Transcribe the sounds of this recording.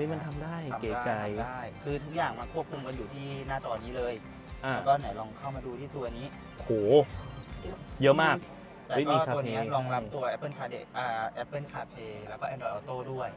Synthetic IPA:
ɯ˦˥˩ma˧nt̪ʰa˧mdaː˥˩jkeː˨˩˥t͡ɕa˧jaː˥˩jkʰɯː˧t̪ʰu˦˥k̚jaː˨˩ŋma˧nkʰu˥˩p̚kʰu˧mka˧njuː˨˩t̪ʰiː˥˩naː˥˩t͡ɕɔː˧niː˦˥lɤː˧j | t̪aː˧˩˥t̪ɔː˧nːa˨˩˦jlɔː˧ŋkʰa˥˩wmaː˧duː˧t̪ʰiː˥˩t̪u˧ɐ˧niː˦˥ | hoː˨˩ | jɤ˦˥maː˥˩k̚ | lɛː˧wɔiː˧˥tʰu˧iː˦˥lɔː˧ŋla˦˧mt̪u˧ɐʔɛ˦˥pːɤ˥˩nkʰaː˧de˨˩k̚ʔaː˨˩ʔɛ˦˥pːɤ˥˩nkʰaː˧pʰeː˧lɛː˦˥wkɔː˥˩ʔɛ˧ndɔː˧˩ʔɔː˧t̪oː˥˩du˥˩əj

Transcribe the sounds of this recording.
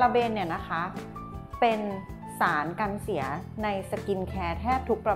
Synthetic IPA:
la˧beː˧nːi˥˩ɐna˦˥kʰa˦˥ | pe˧n | saː˩˦nka˧nsi˩˦ɐna˧jsa˧ki˧nkʰɛː˧t̪ʰɛː˥˩p̚t̪ʰu˦˥k̚pɾa˧

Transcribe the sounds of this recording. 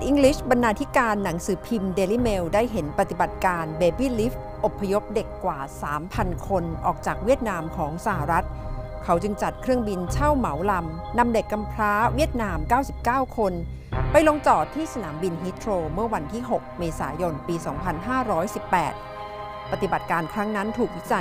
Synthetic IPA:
t̪̚ʔi˧ŋkli˦˥˩sba˧nːaː˧t̪ʰi˦˥kaː˧nːa˩˦ŋsɯː˩˦pʰi˧mdeː˧liː˦˥˩me˧wdaː˥˩jɦe˩˦npɾa˧˩t̪i˨˩ba˨˩t̪̚kaː˧nbeː˧biː˥˩liː˦˥f | ʔo˨˩pʰːa˧jo˦˥p̚de˨˩kːwaː˨˩saː˩˦mpʰa˧nkʰo˧nʔɔː˨˩k̚t͡ɕaː˨˩k̚wi˥˩ət̪̚naː˧mkʰɔː˩˦ŋsa˧˩ha˨˩ɾa˦˥t̪̚ | kʰa˦˥wt͡ɕɯ˧ŋt͡ɕa˨˩t̪̚kʰɾɯ˥˩əŋbi˧nt͡ɕʰa˥˩wma˩˦wla˧m | na˧mde˨˩kːa˧mpʰɾaː˦˥wi˦˥˩ət̪̚naː˧mkaː˥˩wsi˨˩p̚kaː˥˩wkʰo˧n | pa˧jlo˧ŋt͡ɕɔː˨˩t̪ʰːiː˥˩sa˧naː˩˦mbi˧nɦiː˦˥t̪ʰɾoː˧mɯ˥˩ɐwa˧nt̪ʰiː˥˩ɦo˨˩k̚meː˧sa̰ː˩˦jo˧npiː˧sɔː˩˦ŋpʰa˧nɦaː˥˩ɾɔː˦˥jsi˨˩pːɛ̰ː˨˩t̪̚ | pa˧˩t̪i˨˩ba˨˩t̪̚kaː˧nkʰɾa˦˥ŋna˦˥nt̪ʰuː˨˩k̚wi˦˥t͡ɕa˧

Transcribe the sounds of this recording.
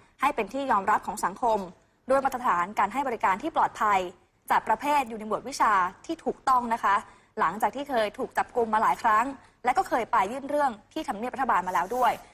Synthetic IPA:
ha˥˩jpe˧nt̪ʰiː˥˩jɔː˧mɾa˦˥p̚kʰɔː˩˦ŋsa˩˦ŋkʰo˧m | du˥˩jwa˦˥t̪ɾa˧t̪ʰaː˩˦nkaː˧nɦa˥˩jbɔ˧ɾi˦˥kaː˧nt̪ʰiː˥˩plɔː˨˩t̪̚pʰa˧j | t͡ɕaː˨˩k̚pɾa˧pʰeː˥˩t̪̚juː˨˩na˧jbu˨˩t̪̚wi˦˥t͡ɕʰaː˧t̪ʰiː˥˩t̪ʰuː˨˩k̚t̪ɔ˥˩ŋna˦˥kʰa˦˥ʔ | la˩˦ŋt͡ɕaː˨˩k̚t̪ʰiː˥˩kʰɤː˧jt̪ʰuː˨˩k̚t͡ɕa˨˩p̚ku˧mːaː˧laː˩˦jkʰɾa˦˥ŋ | lɛ˦˥wkɔː˥˩kʰɤː˧jpa˧jːɯː˥˩nɾɯ˥˩əŋt̪ʰiː˥˩t̪ʰmni˥˩p̚ɾʰa˧baː˧nmaː˧lɛː˦˥wdu˥˩əj

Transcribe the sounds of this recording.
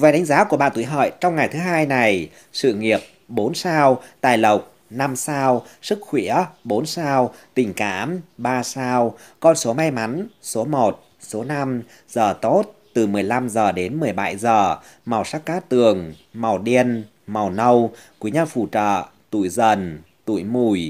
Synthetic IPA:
vaː˨˦ɗa˨˦ŋzaː˨˦ku˧˩əɓa̰ː˧˨nt̪u˧˩jɦə̰ː˧˨jt͡ɕɔ˧wŋ͡mŋa˨˩jt̪ʰɨ˨˦ɦaː˧jna˨˩j | sɨ̰˧˨ŋi˨˩əp̚ɓo˨˦nsaː˧wt̪aː˨˩jlə˨˩wk͡p̚ | na˧msaː˧wsɨ˦˥k̚xwḭ˧˥əɓo˨˦nsaː˧wt̪ï˨˩ŋ̟ka̰ː˧˥mɓaː˧saː˧wkɔ˧nso˨˦ma˧jma˨˦nso˨˦mo˨˩t̚ | so˨˦na˧m | zəː˨˩t̪o˦˥t̚t̪ɨ˨˩mɨ˨˩əjla˧mzəː˨˩ɗe˨˦nmɨ˨˩əjɓa̰˧˩jzəː˨˩ | ma˨˩wsa˦˥k̚kːaː˦˥t̪ɨ˨˩əŋma˨˩wɗi˧ən | ma˨˩wnə˧wkwi˨˦ɲaː˧fṵ˧˩t͡ɕə̰ː˧˨t̪ṵ˧˨jzə˨˩n | t̪ṵ˧˩˨jmu˧˩j

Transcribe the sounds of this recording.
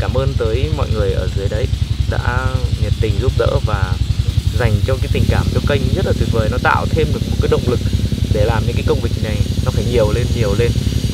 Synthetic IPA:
kaː˧˩mʔəː˧nt̪əː˨˦jmɔ̰˧˨jŋɨ˨˩əjʔəː˧˩zɨ˨˦əjɗə˨˧jɗa̰ː˧˥ɲə˨˩t̚t̪ï˨˩ŋ̟zu˦˥p̚ɗə̰ː˧˥vaː˨˩za˨˩jŋ̟t͡ɕɔ˧kaː˨˦t̪ï˨˩ŋ̟kaː˧˩mt͡ɕɔ˧kə˧jŋ̟zə˦˥t̚laː˨˩t̪wi˨˩ək̚vəː˨˩jnɔ˨˦t̪a̰ː˧˨wt̪ʰe˧mɗɨ˨˩k̚mo˨˩tkaː˨˦jɗə̰˧˨wŋ͡mlɨ˨˩k̚ɗe˧˩laː˨˩mɲɨ̰˧˥ŋkaː˨˦jkə˧wŋ͡mvi˨˩k̚na˨˩jnɔ˨˦faː˧˩jɲi˨˩əwle˧nɲi˨˩əwle˧n

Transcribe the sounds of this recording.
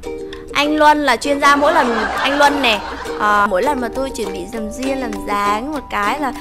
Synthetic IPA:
ʔa˧jŋ̟lwə˧nlaː˨˩t͡ɕwi˧ənzaː˧mo̰˧˥jlə˨˩nʔa˧jŋ̟lwə˧nːɛ˨˩ʔəː˨˩mo̰˧˥jlə˨˩nmaː˨˩t̪o˧jt͡ɕi˧˩ənɓḭ˧˨zə˨˩mzi˧ənlaː˨˩mzaː˨˦ŋmo˨˩t̚kaː˨˦jlaː˨˩

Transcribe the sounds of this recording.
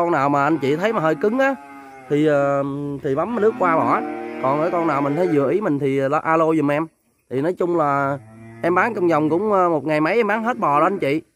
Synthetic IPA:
ɔ˧naː˨˩wmaː˨˩ʔa˧nt͡ɕḭ˧˨t̪ʰə˨˦jmaː˨˩həː˧jkɨ˨˦ŋʔaː˨˦ | t̪ʰi˨˩ʔəː˨˩t̪ʰi˨˩ɓa˨˦m˧nɨ˦˥ək̚kwaː˧ɓɔ˧˩kɔ˨˩nʔəː˧˦jkɔ˧naː˨˩wmï˨˩ŋ̟t̪ʰə˨˦jzɨ̰˨˩əʔi˨˦mï˨˩ŋ̟t̪ʰi˨˩˨lʔaː˧lo˧zʊ˨˩ŋ͡mʔɛ˧m | t̪ʰi˨˩nɔ˨˦jt͡ɕʊ˧ŋ͡mlaː˨˩ʔɛ˧mɓaː˨˦ŋt͡ɕa˧wŋ͡mzɔ˨˩wŋ͡mkʊ̰˧˥ŋ͡məː˧mo˨˩t̚ŋa˨˩jma˨˦jʔɛ˧mɓaː˨˦ŋɦe˦˥t̚ɓɔ˨˩ɗɔ˨˧˦ʔa˧nt͡ɕḭ˧˨

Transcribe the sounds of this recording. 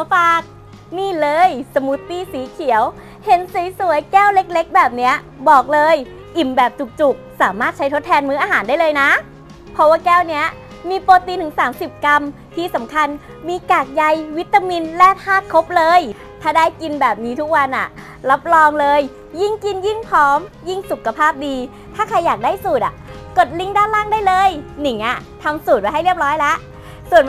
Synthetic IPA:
faː˨˩k̚ | niː˥˩lɤː˧jsa˧mu˦˥t̪ːiː˥˩siː˩˦kʰi˨˩˦əw | he˨˦nsiː˨˩˦jsu˩˦əjkɛː˥˩wle˦˥k̚le˦˥k̚bɛː˨˩p̚ni˦˥ɐ | bɔː˨˩k̚lɤː˧j | ʔi˨˩mbɛː˨˩p̚t͡ɕu˨˩k̚t͡ɕu˨˩k̚saː˩˦maː˥˩t̪̚t͡ɕʰa˦˥jt̪ʰo˦˥t̪ʰːɛː˧nmɯː˦˥ʔaː˧ɦaː˩˦ndaː˥˩jlɤː˧jna˦˥ | pʰɔ˦˥waː˥˩kɛː˥˩wni˦˥ɐ | miː˧poː˧t̪iː˧t̪ʰɯː˨˩˦ŋsaː˩˦msi˨˩p̚ka˧m | t̪ʰiː˥˩sa˩˦mkʰa˧n | miː˧kaː˨˩k̚ja˧jwi˦˥t̪ːa˧mi˧nlɛː˧˥˩t̪̚haː˥˩t̪̚kʰo˦˥p̚lɤː˧j | t̪ʰaː˥˩daː˥˩jki˧nbɛː˨˩p̚niː˦˥t̪ʰu˦˥k̚wa˧nʔa̰˨˩ʔ | la˦˥p̚lɔː˧ŋlɤː˧j | ji˥˩ŋki˧nji˥˩ŋpʰɔː˨˦˥mji˥˩ŋsu˨˩kʰːa˧pʰaː˥˩p̚diː˧ | t̪ʰaː˥˩kʰa˧jːaː˨˩k̚daː˥˩jsuː˨˩t̪̚ʔa̰˨˩ko˨˩t̪̚li˥˩ŋdaː˥˩nlaː˥˩ŋdaː˥˩jlɤː˧jni˨˩˦ŋʔa˨˩t̪ʰa˧msuː˨˩t̪̚wa˧˦ja˥˩jɾi˥˩əp̚ɾɔː˦˥jlɛ˦˥ʔ | su˨˩ən

